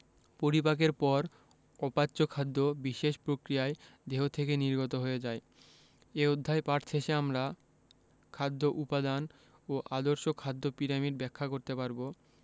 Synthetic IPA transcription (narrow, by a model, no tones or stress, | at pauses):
poɾipak̬eɾpɔɾ | ɔpatːɕokʰad̪ːobiʃeʃpɾokɾijaed̪eɦot̪ʰekeniɾɡot̪oɦoed͡ʑae | eod̪ʱːaepaʈt͡ɕʰeʃeamɾa | kʰad̪ʱːoʔupad̪an | oʔad̪oɾʃokʰad̪ʱːopiɾamiɖbɛkʰːakoɾt̪epaɾbo